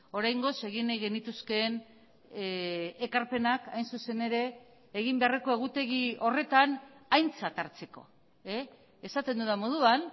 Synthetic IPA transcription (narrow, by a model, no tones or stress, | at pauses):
o̞ɾajŋɡo̞se̞ɣinejɣe̞nit̪uske̞n | kaɾpe̞nakajnsuse̞ne̞ɾe̞ː | ɣimbe̞areko̞e̞ɣ̞ut̪e̞ɣio̞re̞t̪anajnt͡sat̪aɾt͡se̞ko̞̰ | e | esat̪e̞nd̪uðamo̞ð̞uan